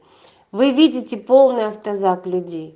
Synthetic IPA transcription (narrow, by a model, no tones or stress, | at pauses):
vɨvʲidʲɪtʲɪpo̞lˠnɨjɐft̪ɐzaklʲʉdʲej